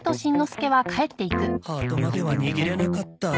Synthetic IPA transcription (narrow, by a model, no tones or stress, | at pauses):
t̪o̞ɕĩnːo̞sɨ̥ke̞βakae̞t̪ːe̞ikɯ̟haːt̪omad̪e̞βaɲiɡʲiɾe̞nakat̪ːa